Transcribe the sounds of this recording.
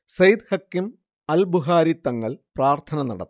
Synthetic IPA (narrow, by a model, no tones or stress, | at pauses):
sɐjd̪hɐkːim | ɐlbuɦaːɾit̪ːɐŋːɐɭpraːrt̪ʰɐnɐnɐ̰ɽɐ̰t̪ː